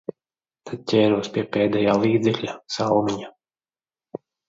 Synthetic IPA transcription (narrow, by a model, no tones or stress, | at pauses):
t̪ʰad̪̚cʲɛːɾuɔspiɛpɛːd̪ɛjaːlˠiːd̪zɛklʲasalˠmiɲa